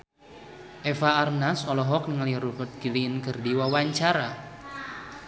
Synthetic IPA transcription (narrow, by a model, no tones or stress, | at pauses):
ʔefaːrnasɔlɔɦɔk̚nəŋaliɾubərt̪̚ɡilinkərdiwawaɲt͡ʃaɾa